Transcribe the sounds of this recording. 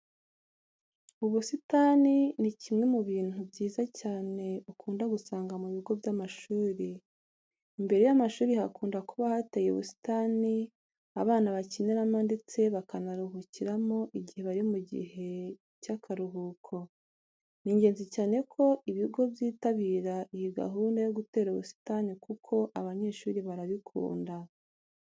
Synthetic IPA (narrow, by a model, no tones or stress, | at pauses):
uβusitaːninicimŋe̞muβiːn̥ubɟiːzacaːne̞ukuːndaɡusaːŋɡamuβiɡo̞vjamaʃuːɾiː | mbe̞ɾejamaʃuːɾihakuːndakuβahatejeṵβṵsi̥taːni | aβaːnaβacineɾamande̞t͡seβakanaɾuɦuciɾamo̞ʔiɟihe̞βaɾiomuɟḭhe̞ | cakʰaɾuɦuːkʰo̞ | niɲɟe̞ːnzicaːne̞kʰo̞ʔiβiɡo̞vjiːtaβiːɾaʔijiɡa̰ɦuːndajo̞ɡute̞ːɾuβṵsi̥tanikukʰo̞ʔaβaɲe̞ʃuːɾiβaɾaβikʰṵːnda